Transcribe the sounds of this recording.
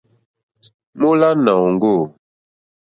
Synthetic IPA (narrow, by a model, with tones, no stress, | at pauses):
mo˦la˦na˨ŋ˦ɡo˦˨